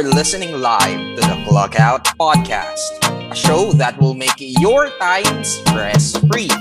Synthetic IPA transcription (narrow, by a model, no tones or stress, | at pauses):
lɪsɨnɪ̃ŋlaɪvt̪uðəplʌkaʊt̪̚pɑd̚kʰæ̰st̚əʃoʊðæt̪̚wɪlˠmeɪkjjɔɹt̪ãɪ̃mspɹɛsfɹi